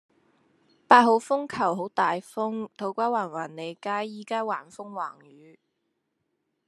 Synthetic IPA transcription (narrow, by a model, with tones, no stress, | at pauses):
paː˧t̚ɦo˨˧˥wfʊ˥ŋkʰɐ˨˩wɦo˨˥wt̪aː˨jfʊ˥ŋt̪ʰo˨˥wkʷaː˥waː˨˩nwaː˨˩nle˨˧jkaː˥jːiː˨˥kaː˥wa̰ː˨˩nfʊ˥ŋwa̰ː˨˩ŋjyː˨˧